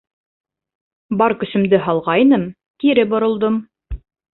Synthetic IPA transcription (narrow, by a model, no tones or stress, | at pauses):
bɑɾkɵ̆sɵ̆md̪ɘɦɑlˠʁɑjnɤm | k̪iɾɘbŏɾŏlˠd̪ɤm